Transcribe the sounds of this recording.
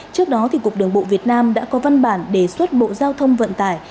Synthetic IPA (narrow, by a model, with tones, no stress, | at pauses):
t͡ɕɨ˦˥ək̚ɗɔ˨˦t̪ʰi˨˩kʊ˨˩k͡p̚ɗɨ˨˩əŋɓo̰˧˨vi˨˩ət̚naː˧mɗa̰ː˧˥kɔ˨˦va˧nɓaː˧˩nɗe˧˩swə˦˥t̚ɓo̰˧˨zaː˧wt̪ʰə˧wŋ͡mvə̰˧˨nt̪aː˧˩j